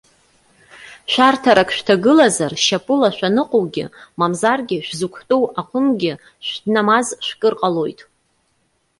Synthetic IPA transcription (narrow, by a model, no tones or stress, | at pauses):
ʃʷᶣartʰaɾakʰʃᶣtʰaɡɨlazarʃapʼɨlaʃʷᶣanɨqʼowɡʲɪ̰mamzarɡʲɪʃᶣʷzukʷʰtʼowaqʷʊnɡʲɪ | ʃʷᶣdnamazʃʷᶣkʼɨrqʼalo̞jtʼ